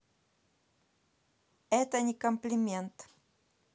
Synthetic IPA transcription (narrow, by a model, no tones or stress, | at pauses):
ɛt̪aɲikompliment̪